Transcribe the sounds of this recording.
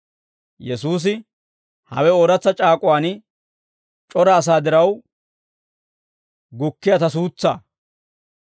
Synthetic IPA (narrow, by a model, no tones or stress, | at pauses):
jɛsuːs̬ɪ | hɐ̰wɛoːɾɐt͡sːɐt͡ʃʼaːkʼʊwaːn | t͡ʃʼɔɾɐːs̬aːd̪ɪɾɐw | ɡʊkːɪjat̪ɐs̬uːt͡sːa̰ː